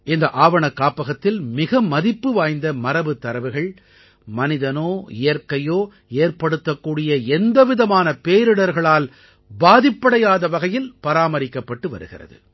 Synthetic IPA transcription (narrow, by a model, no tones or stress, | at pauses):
ʔɪnd̪ɐʔaːʋɐɳɐkːaːpɐɣɐt̪ːɪlmɪɣɐmɐðɪpːɯʋaːjnd̪ɐmɐɾɐʋɯt̪ːɐɾɐʋɯɣɐɭ | mɐnɪðɐnoːɪejɐɾkɐjoː | eːrpɐɽɯt̪ːɐkːuːɽɪjɐɛnd̪ɐʋɪðɐmaːnɐpeːɾɯɽɐɾɣɐɭaːl | baːðɪpːɐɽɐjaːðɐʋɐɣɐjɪlpɐɾaːmɐɾɪkːɐpːɐʈːɯʋɐ̰ɾɯ̰ɣɪ̰rɐ̰ðɯ̰